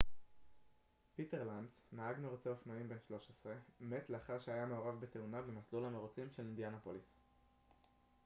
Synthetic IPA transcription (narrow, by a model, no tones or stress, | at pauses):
pite̞ʁlandsmaaɡmeʁot͡seofnaimbe̞nʃlo̞ʃe̞sʁe̞met̪le̞aχaʁʃeajameo̞ʁavbet̪e̞unavemaslulhameʁot͡simʃe̞lind̪janapolis